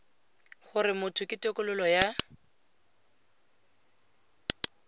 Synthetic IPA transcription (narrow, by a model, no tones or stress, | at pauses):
χʊrɪmʊtʰʊkʼɪtʼɛkʼʊlʊlɔja